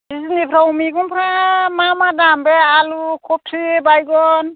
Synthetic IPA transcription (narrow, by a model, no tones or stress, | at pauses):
isinipʰɾaumiɡunpʰɾamamadambɛalukʰɔp̚tʰibajɡɔn